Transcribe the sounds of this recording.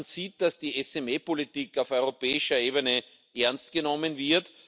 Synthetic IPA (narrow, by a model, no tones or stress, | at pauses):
nsiːt̚d̥asd̥iːɛsɛmeːpolitikaʊfɔʏʁopɛːɪʃɐeːbənə | ʔɛɐnstɡ̥ənɔmənvɪɐt